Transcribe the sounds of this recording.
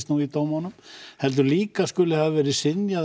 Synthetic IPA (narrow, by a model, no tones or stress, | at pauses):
st̪nuit̪oːwmanʏmhɛlt̪̬ʏɾliːkaskʏlɪhavvɛːɾɪsɪnja